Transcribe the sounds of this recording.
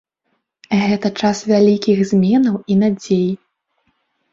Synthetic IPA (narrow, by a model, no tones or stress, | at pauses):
ɣɛt̪ɐt͡ʂasvʲalʲikʲiɣzʲmʲɛnɐwinad͡zʲej